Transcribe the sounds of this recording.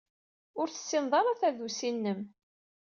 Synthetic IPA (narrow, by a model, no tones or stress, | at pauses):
ʊɾθə̥sːɪnðˤɑɾˤɑθæðusinːəm